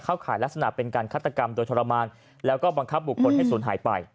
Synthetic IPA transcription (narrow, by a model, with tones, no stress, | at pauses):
kʰaː˥˩wkʰaː˩˦jla˦˥k̚sa˧na̰˨˩pe˧nkaː˧nkʰaː˥˩t̪ʰːa˧ka˧mdoː˧jt̪ʰɔ˧ɾa˧maː˧n | lɛː˦˥wkɔː˥˩ba˧ŋkʰa˦˥p̚bu˨˩kʰːo˧˨nhɦa˥˩jsuː˩˦nɦa̰ː˩˦jpa˧j